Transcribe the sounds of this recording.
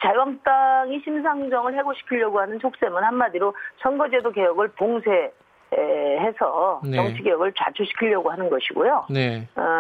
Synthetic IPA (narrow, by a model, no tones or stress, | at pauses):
t͡ɕajwaŋt͈aŋiɕʰims̬ʰaŋd͡ʑʌŋɯɭhe̞ɡoɕʰi̥kʰiʎjʌɡohanɯnsʰok̚s͈e̞mɯnhanmadiɾosʰʌŋɡʌd͡ʑedokejʌɡɯɭpoŋsʰe̞ | ɦe̞sʰʌt͡ɕʌŋt͡ɕʰiɡejʌɡɯɭt͡ɕat͡ɕʰuɕʰi̥kʰiʎjʌɡoɦanɯnɡʌɕʰiɡojone